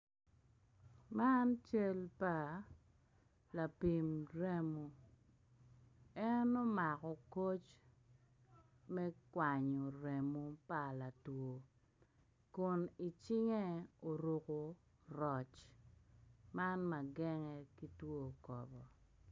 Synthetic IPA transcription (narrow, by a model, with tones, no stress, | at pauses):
ma˦nt͡ʃe˦lpa˨ | la˨pi˨mɾe˦mo˨ | ɛ˦no˦ma˨kɔ˨ko˦t͡ʃ | mɛ˦kwa˨ɲo˨ɾe˨mo˨pa˨la˨two˨ | kʊ˨ni˨t͡ʃɪ˦ŋe˦o˨ɾo˨ko˨ | ɾɔ˨t͡ʃ | ma˦nma˨ɡɛ˦ŋɛ˦ki˦two˦kɔ̰˨bɔ˨